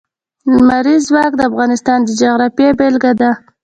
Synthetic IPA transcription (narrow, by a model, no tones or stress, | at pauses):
maɾizwɑk̚d̪əafɣɑnɪst̪ɑnd̪əd͡ʒaɣɾɑfjebelɡad̪a